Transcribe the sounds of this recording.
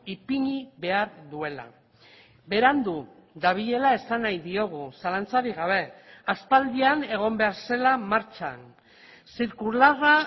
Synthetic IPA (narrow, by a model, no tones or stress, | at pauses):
ipiɲiβe̞aɾðue̞la̰ | be̞ɾand̪u | d̪aβ̞iʎe̞lae̞sanajðio̞ɣ̞usalant͡saɾiɣ̞aβ̞e̞aspald̪iane̞ɣ̞o̞mbe̞aɾse̞lamaɾt͡ʃa̰n | siɾkulara